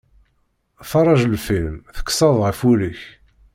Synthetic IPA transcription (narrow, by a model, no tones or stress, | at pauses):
fɑrˤːɑʒlfilmθə̥kːsɑðˤʁəfuləç